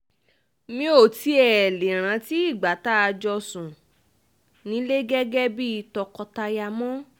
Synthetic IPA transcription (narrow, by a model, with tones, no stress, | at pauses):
mĩ˧o˨ti˨˦ɛ˨le˨ɾ̃ã˨˧ti˦i˦˨ɡ͡ba˨˦ta˦a˧d͡ʒɔ˧sũ˨ | nĩ˨˦le˦ɡɛ˦ɡɛ˦bi˦˧tɔ˧kɔ˧ta˧ja˧mɔ̃˦